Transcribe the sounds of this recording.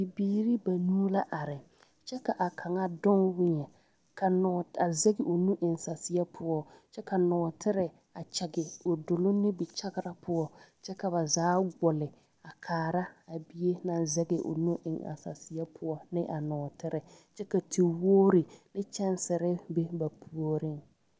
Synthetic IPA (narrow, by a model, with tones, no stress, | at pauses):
bi˨biː˦ɾi˦ba˨nuː˦la˦ʔa˨ɾɪ˨ | t͡ʃɛ˦ka˨ʔa˨kʰa˨ŋa˦dɔ˦ŋwɪ˦ɲɛ˨ | ka˨nɔ˨a˨zɛ˦ɡɪ˨ʔo˨nu˦ʔɪ˨ŋsa˨sɪ˨ja˦pʰʊ˦ɔ˦t͡ʃɛ˦ka˨nɔː˨tʰɪ˦ɾɪ˨ | a˨t͡ʃɛ˨ɡɪ˨o˨do˨lo˦nɪ˦bɪ˨t͡ʃa˦ɡɪ˦ɾa˦pʊ˦ɔ˦t͡ʃɛ˦ka˨ba˨zaː˦ɡʊ˨lɪ˨ | a˨kʰaː˨ɾa˦a˨bi˦e˦na˨nzɛ˦ɡɪ˨ʔo̰˨nu˦ʔɪ̰˨ŋa̰˨sa˨sɪ˨ja˦pʰʊ˦ɔ˦nɪ˦ʔa˨nɔː˨tɪ˦ɾɪ˨t͡ʃɛ˦ka˨tʰi˨woː˦ɾɪ˨nɪ˦t͡ʃɛ˦n˦sɪ˨ɾɪ˦be˦ba˨pʰu˨˦o˦ɾɪ˦ŋ